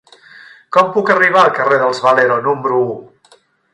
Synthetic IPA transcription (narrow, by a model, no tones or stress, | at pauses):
kɔmpukəriβ̞aəlˠkəreðəlˠzβəleɾonumbɾuu